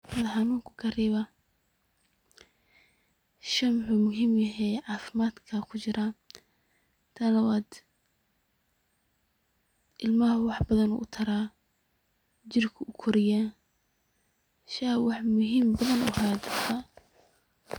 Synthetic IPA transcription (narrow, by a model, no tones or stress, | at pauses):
lɐħɑnuːŋkʰʊ̥kʰɐriːβɐ | ʃɐmʊħuːmʊɦiːmjɐɦɛjʕɑːfɪmaːd̪kʰɐkʰʊt͡ʃɪɾa | t̪ʰɐlɐwaːd̪ | ʔɪlmɐɦwɑħbɐðɐnʊ̰ːʔʊt̪ʰɐɾaː | d͡ʒɪrkʰʊʔʊkʰɔɾɪja | ʃɐwɑħmʊɦiːmbɐðɐnʊ̰haːt͡ʃʊrt̪ʰɐ